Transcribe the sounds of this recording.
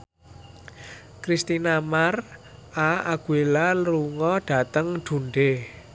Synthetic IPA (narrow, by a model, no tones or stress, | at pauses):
kɾist̪inamarʔaaɡ̥uelalluŋɔɖ̥ä̤t̪əŋɖ̪̥ṳɳɖe